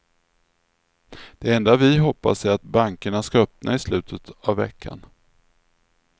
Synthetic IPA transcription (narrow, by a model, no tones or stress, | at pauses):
d̪̥ɛɾɛnd̪avɪɦɔpːa̰sæɾat̪̚baŋkəɳaskaœpnʔa̰ɪslʉ̟ːt̪ʰət̪avːɛ̰kʰːa̰n